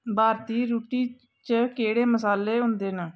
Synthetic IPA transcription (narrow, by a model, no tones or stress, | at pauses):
baːɾt̪iːɾuːʈiː | t͡ʃəkeːɽeːməsaːlːeːɦʊ̃nd̪eːnəː